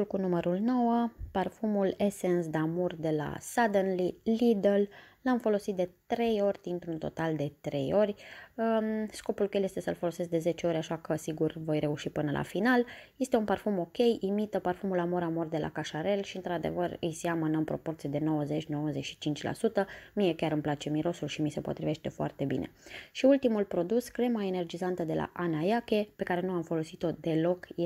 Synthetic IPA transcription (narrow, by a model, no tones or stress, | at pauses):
ulkunuməɾulno̞wəparfumule̞sensd̪amurd̪e̞la̰sad̪ənlilid̪ellamfo̞lo̞sit̪d̪e̞t̪ɾe̞jo̞rʲd̪int̪ɾunt̪o̞t̪ald̪e̞t̪ɾʔe̞̰jo̞rʲəsko̞pulkeljest̪e̞səlfo̞lo̞se̞s̬k̚d̪e̞ze̞t͡ʃe̞o̞ɾʲaʃakəsiɡurvo̞jɾe̞uʃipɨnəlʔa̰finalje̞st̪e̞unparfumo̞kʲe̞jimit̪əparfumulamoɾamo̞rd̪e̞lʔa̰kaʃaɾe̞lʃiɨnt̪ɾad̪e̞̰vərɨ̰jseamɨnəmpɾo̞̰po̞rt̪sijed̪eno̞wəze̞t͡ʃʲno̞wəzet͡ʃʃi̥t͡ʃint͡ʃʲla̰sut̪əmije̞kʲaɾɨmplat͡ʃe̞miɾo̞sulʃimise̞po̞t̪ɾive̞ʃt̪e̞foa̰rt̪e̞bḭnḛʃiult̪imulpɾo̞d̪uskɾe̞mae̞ne̞rd͡ʒizant̪əd̪e̞lʔa̰ʔanajakʲe̞pe̞kaɾe̞nuamfo̞lo̞sit̪o̞d̪e̞lo̞kj